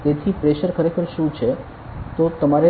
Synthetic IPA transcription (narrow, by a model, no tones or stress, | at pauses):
t̪et̪ʰipɾeʃəɾkʰəɾekʰəɾʃũt͡ʃʰe | t̪ot̪əmaɾe